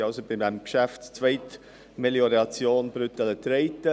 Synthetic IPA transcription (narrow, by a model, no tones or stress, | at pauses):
ɑlsobɪdɛmkʃæftt͡svɛɪt | meljoɾɑt͡sjoːnbɾʏt̪ələt̪ɾeɪtə